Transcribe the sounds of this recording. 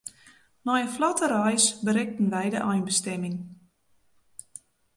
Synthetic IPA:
nɔjəflɔtəɾɔjsbəɾɪk̚tən̩ʋɛjdəʔɔjnbəstɛmɪŋ

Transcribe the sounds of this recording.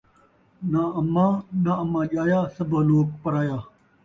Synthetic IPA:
naːɐmãːnaɐmãːʄaːjaːsɐbaːloːk̚pɐɾaːjaː

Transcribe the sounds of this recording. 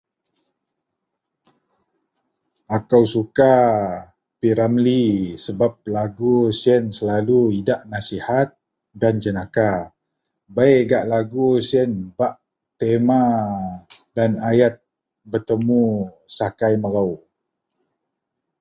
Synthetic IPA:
akawsuka | piɾamlisəbap̚laɡusənsəlaluidaʔnasihat̪̚ | dand͡ʒənaka | bajɡaʔlaɡusiənbaʔ | t̪ema | danajat̪̚ | bərt̪əmusakajməɾaw

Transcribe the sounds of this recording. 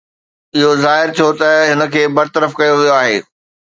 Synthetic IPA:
ɪɦozaːɦɪɾt͡ɕʰot̪ɐɦɪnə̆kʰeːbɐɾt̪əɾəfkɐjoʋijoaːɦeː

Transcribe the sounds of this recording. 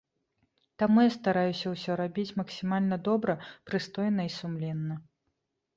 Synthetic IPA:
t̪amujast̪aɾajusʲɐwsʲɔɾabʲit͡sʲmɐksʲimalʲnɐd̪ɔbɾɐpɾɨst̪ɔjnɐisumlʲɛnːɐ

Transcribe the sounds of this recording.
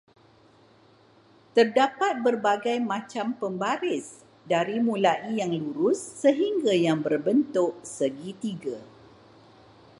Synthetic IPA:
t̪ərdapat̪̚bərbaɡajmãt͡ʃampəmbaɾɪs | daɾimũlaʔijaŋluɾʊsːəɦiŋɡajaŋbərbənt̪ʊʔsəɡit̪iɡa

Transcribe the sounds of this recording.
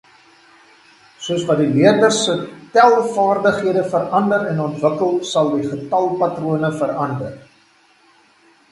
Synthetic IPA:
suəsvɐt̚diviərdərsətɛlˠfɑːrdəχɦiədəfəɾɐndəɾɛnɔntvəkəlˠsɐlˠdiχətɐlˠpɐtruənəfəɾɐndər

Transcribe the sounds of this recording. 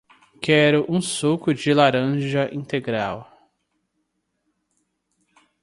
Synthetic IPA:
kɛɾʊʔũsokʊd͡ʒɪlaɾɐ̃ʒɐʔĩnt̪eɡɾaw

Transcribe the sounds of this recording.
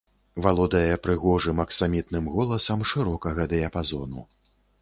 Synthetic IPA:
valˠɔd̪ɐjɛpɾɨɣɔʐɨmɐksamʲit̪nɨmɣɔlˠɐsɐmʂɨɾɔkɐɣɐd̪ɛjɐpazɔnṵ

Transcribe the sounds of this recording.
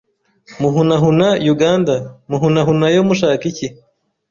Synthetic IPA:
muɦunaɦunajuɡaːndamuɦunaɦunajomuʃaːkici

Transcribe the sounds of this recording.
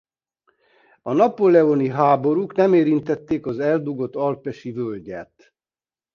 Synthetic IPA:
ɒnɒpolɛoniɦaːbo̞ɾuknɛmeːɾint̪ɛt̪ːeːkɒzɛld̪uɡo̞t̪ːɒlpɛʃivølɟɛt̪

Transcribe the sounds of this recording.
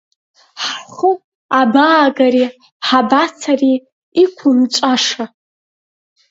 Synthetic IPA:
ħχʊ | abaːɡaɾi | ħabat͡sʰariː | kʷʰʊmt͡ʃʷʼaʂa

